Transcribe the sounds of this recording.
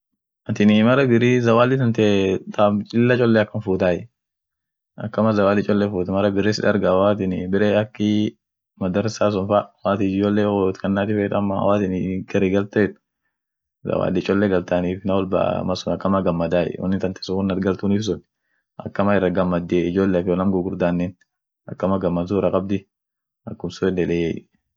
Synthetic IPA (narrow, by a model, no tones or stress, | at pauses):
ʔɐt̪ɪnɪmɐɾɐbɪɾiːzɐwaːlːɪt̪ɐnt̪et̪at͡ʃʼɪlːɐt͡ʃʼɔlːɛɐkːɐnfuːt̪aːjɛ | ʔɐkːɐmɐzɐwaːlːɪt͡ʃʼɔlːɛfuːt̪ɐmɐɾɐbɪɾɪsɪᶑɐɾɡɐwaːt̪ɪnɪbɪɾeːɐkːɪ | mɐd̪ɐɾsaːs̬ʊnfawaːt̪ɪd͡ʒd͡ʒoːlːeːɔt̪kɐnːaːt̪ɪfeːt̪ɐmːa̰waːt̪ɪnɪɡɐɾiɡɐlt̪et̪ | zɐ̰wa̰ːlɪt͡ʃʼɔlːɛɡɐlt̪aːniːfɪnɐwɔlba̰mɐsʊnɐkːɐmɐɡɐmːɐd̪aːjɛ̰wɔ̰nːɪt̪ɐnt̪ɛ̥sʊʊnːɐt̪ɡɐlt̪uniːfs̬ʊn | ʔɐ̰kːɐmɐɪrːɐɡɐmːɐd̪ːeɪd͡ʒoːlːefɪɔnɐmɡʊɡʊɾd̪aːnːɛn | ʔɐkːɐmɐɡɐmːɐnzuːɾɐkʼɐb̚d̪ɪ | ɐkːʊmsʊɛlːɛleː